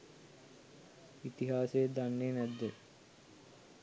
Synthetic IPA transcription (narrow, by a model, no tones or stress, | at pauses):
it̪iɦaːsed̪anːeːnæd̪ːe